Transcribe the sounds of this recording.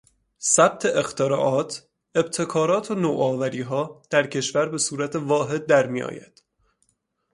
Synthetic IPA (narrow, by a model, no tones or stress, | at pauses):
sæb̥̚t̪ʰe̞ʔext̪ʰeɾɒːʔɒːt̪ʰ | e̞b̥̚t̪ʰe̞kʰɒːɾɒːt̪ʰonoːʔɒːvæɾiːɦɒːd̪̥æɾcʰe̞ʃvæɾbe̞suːɾæt̪ʰe̞vɒːɦe̞d̪̚ːæɾmijɒ̰ːjæ̰d̪̥